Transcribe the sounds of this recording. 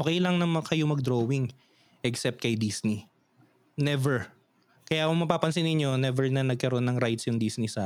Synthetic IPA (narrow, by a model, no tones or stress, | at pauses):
ʔoːkɛjlɐŋnɐmɐkɐjomɐɡ̚d̪ɾoːwɪŋ | ʔɛksɛp̚t̪̚kɐjd̪isni | nɛvɛɹ | kɐjakʊŋmɐpaːpɐnsɪnɪɲjo̞nɛvɛɹnɐnɐɡ̚kɐɾonːɐŋɾajt̪sjʊŋd̪isnɪsaː